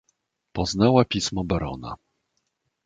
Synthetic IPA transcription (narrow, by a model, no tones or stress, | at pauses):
pɔznawapʲismɔbaɾɔ̰na̰